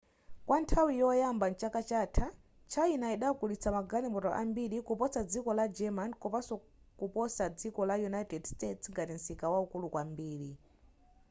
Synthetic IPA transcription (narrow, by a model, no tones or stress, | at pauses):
kwʔantʰawijɔjambant͡ʃakat͡ʃaːtʰa | t͡ʃʰainaiɗakulit͡samaɡalimbɔtɔ̰ʔambiɾikupɔt͡sad͡zikɔlad͡ʒɛmankɔpasɔ | kupɔsad͡zikɔlajunaitɛdstɛtsŋɡatim̩sikawaukulukwambiːɾi